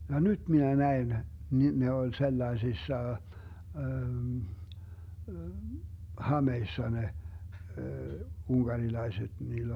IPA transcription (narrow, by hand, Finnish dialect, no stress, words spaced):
jɑ nyt minæ næen ni ne olʲ selːɑesisːɑ hɑmeisːɑ ne unɡ̊ɑrilɑiset niːlː